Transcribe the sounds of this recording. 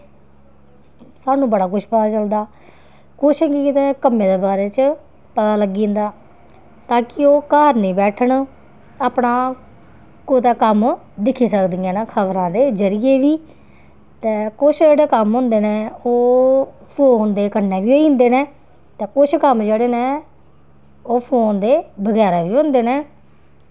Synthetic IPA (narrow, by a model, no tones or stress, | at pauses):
saːnũːbəɽaːkʊʃʰpət̪aːt͡ʃəld̪aː | kʊʃɛːkikːt̪ɛ̃ːkəmːẽːd̪eːbaːɾeːt͡ʃ | pət̪aːləɡiːnd̪aː | t̪aːkɪoːkaːɾnĩːbɛːʈʰəɳ | aːpɳaː | kot̪aːkəm | d̪ɪkʰːiːsəkd̪ijãːnaːkʰəʋɾãːd̪eːzəɾɪjeːʋiː | t̪ɛ̃ːkʊt͡ʃʰd͡ʒeːɽeːkəmɦʊ̃ːnd̪eːnẽːoːpʰoːnd̪eːkənːeːʋiːoːiʊ̃nd̪eːnẽː | t̪ɛ̃ːkʊt͡ʃʰkəmd͡ʒeːɽeːnẽː | oːpʰoːnd̪eːbəɡɛːɾaːʋiːõnd̪eːneː